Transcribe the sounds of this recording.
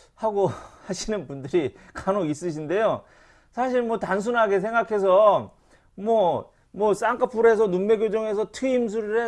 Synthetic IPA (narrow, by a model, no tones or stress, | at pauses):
haɡohaɕʰinɯnbundɯɾikanois͈ɯɕ̬ʰinde̞jo | sʰaɕʰiɭmwʌtans̬ʰunɦaɡes̬ʰe̞ŋɡakʰe̞s̬ʰʌ | mwʌ | mwʌs͈aŋk͈ʰapʰuɾɦe̞s̬ʰʌnunme̞ɡjod͡ʑʌŋɦe̞sʰʌtʰɯims̬ʰuɾiɯɭɦe